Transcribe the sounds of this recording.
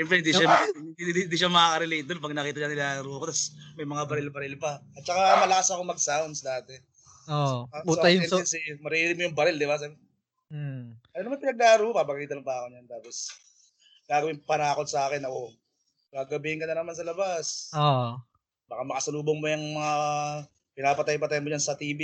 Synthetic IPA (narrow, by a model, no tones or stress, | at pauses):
ɛmfɛnɪnd̪iʃa | ɪnd̪iːʃamɐkaːkɐɾɛlejt̪̚d̪onpɐɡ̚nɐkiːt̪ɐʃaŋɪlaːɐɾuːɐkot̪asmɐjmɐŋabɐɾɪlbɐɾɪlpɐɐt̪̚t͡ʃɐkamɐlɐkasɐkomɐɡ̚sawnd̪sd̪aːt̪ɛ | ooɐɛɛnsɪmɐɾiɾɪmʊjʊŋbɐɾɪld̪ɪbas̬ɛ | ʔɐjonɐmanpɪnɐɡ̚laːɾuːhopɐbɐkiːt̪ɐnɐŋpɐakonjɐnt̪aːpo̞s | ɡaːɡɐwɪŋpɐnaːko̞t̪̚sɐʔaːkɛnɐko̞ | ɡaɡɐbihɪŋkɐnɐnɐmans̬ɐlɐbaso | bɐkamɐkɐsɐluːboŋmojuŋmɐŋa | pɪnaːpɐt̪ajpɐt̪ajɐnmod͡ʒɐnsɐt̪iːbi